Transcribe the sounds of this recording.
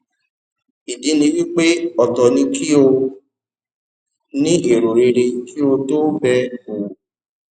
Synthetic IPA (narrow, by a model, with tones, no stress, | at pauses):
i˨di˨˦nĩ˧wi˦k͡pe˦ɔ˨tɔ˨nĩ˧kʰi˦o˧ | nĩ˦e˨ɾo˨ɾe˧ɾe˧ki˦o˧to˦bɛ˧o˨